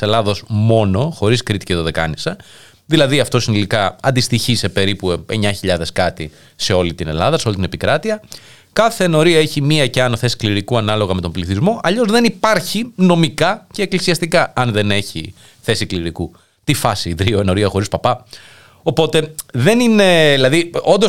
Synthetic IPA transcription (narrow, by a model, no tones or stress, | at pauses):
se̞lɐðo̞zmo̞no̞xo̞ɾiskɾit̪i̥ceðo̞ðe̞kɐ̰nisɐ | ðilɐðiɐft̪o̞sinilikɐɐnd̪ist̪içise̞pe̞ɾipue̞ɲɐçiʎɐðe̞skɐt̪i | se̞o̞lit̪ine̞̰lɐðɐse̞olit̪inepikɾɐt̪iɐ | kɐθe̞ːno̞ɾiɐe̞çimiɐce̞ɐnθe̞si̥kliɾikuɐnɐlo̞ɣɐme̞t̪o̞mbliθizmo̞ʔɐʎo̞zðe̞nipɐɾçino̞mikɐce̞ːklisiɐst̪ikɐɐnðe̞ne̞çḭ | θe̞sikliɾiku | t̪ifɐsiðɾio̞eno̞ɾiɐxo̞ɾispɐpɐ | o̞po̞t̪e̞ðe̞nine̞ðilɐðio̞nd̪o